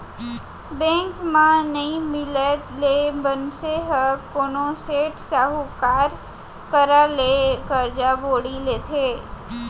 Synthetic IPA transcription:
bɛ̃ŋkmãnəĩmɪlelebənseɦəkonoseʈsaɦukaɾ | kəɾalekəɾd͡ʒaboɽilet̪ʰe

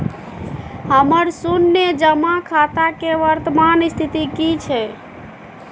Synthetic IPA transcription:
həməɾsunːed͡ʒəmakʰat̪akeʋəɾt̪əmanist̪ʰit̪ikit͡ʃʰɛ

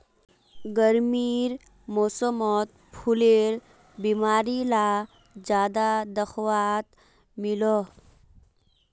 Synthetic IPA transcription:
ɡəɾmiːɾ | mosəmɔt̪̚pʰuleːɾ | biːmaːɾila | d͡ʒjaːd̪ad̪əxwat̪ | milo

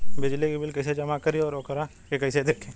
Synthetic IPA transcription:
bɪd͡ʒlikebɪlkɐised͡ʒɐmakɐɾiɔːɾoːkəɾa | kekɐised̪eːkʰẽː

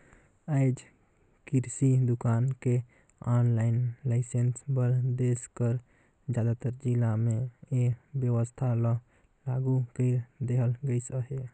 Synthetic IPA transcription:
aɪd͡ʒ | kiɾsid̪ukanke | ɔnlaɪnlaɪsensbəɾd̪eskəɾ | d͡ʒjad̪at̪əɾd͡ʒilameebjəʋəst̪ʰalə | laɡukəɾd̪eɦəlɡəjsəɦe

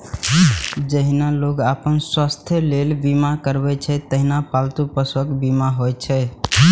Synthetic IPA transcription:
d͡ʒəɦinaloɡapənswast̪ʰjəlelbimakəɾbɛt͡ʃʰɛt̪əɦinapalt̪upəswəkbimaɦojt͡ʃʰɛ

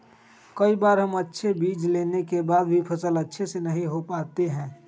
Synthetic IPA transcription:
kɐibaːɾɦɐmɐtːʃʰebiːd͡ʒleːnekebaːd̪̚bʱipʰɐsəlɐtːʃʰesenɐɦĩɦopaːt̪eɦɛ̃ː

